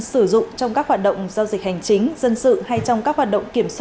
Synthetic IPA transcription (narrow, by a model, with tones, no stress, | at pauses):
sɨ˧˩zʊ̰˧˨ŋ͡mŋ͡mt͡ɕɔ˧wŋ͡mkaː˦˥k̚waː˨˩t̚ɗə̰˧˨wŋ͡mzaː˧wzi˨˩k̟̚ha˨˩jŋ̟t͡ɕï˨˦ŋ̟zə˧nsɨ̰˧˨ha˧jt͡ɕɔ˧wŋ͡mkaː˦˥k̚hwaː˨˩t̚ɗə̰˧˨wŋ͡mki˧˩əmswː